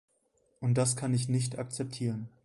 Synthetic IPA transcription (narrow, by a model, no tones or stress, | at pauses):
ʔʊnt̚d̥askʰanɪç̬nɪç̬tak̚t͡sɛp̚tʰiːʁ̞ən